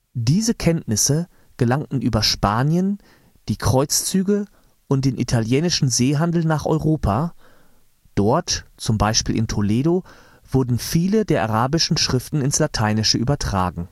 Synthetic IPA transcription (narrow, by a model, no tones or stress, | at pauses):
d̥iːzəkʰɛntnɪsə | ɡ̥əlaŋtn̩ʔyːbɐʃpaːnjən | d̥iːkʁ̥ɔʏt͡st͡syːɡə | ʔʊnt̚d̥eːnʔitʰaljɛːnɪʃn̩zeːɦandl̩naːχʔɔ̰ʏʁoːpʰa | d̥ɔɐtt͡sʊmbaɪʃpiːlʔɪ̰ntʰoleːɾo | v̥ʊɐdn̩fiːlədeːɐʔaʁaːbɪʃn̩ʃʁ̥ɪftn̩ɪnslatʰaɪnɪʃəʔyːbɐtʁ̥a̰ːɡŋ̩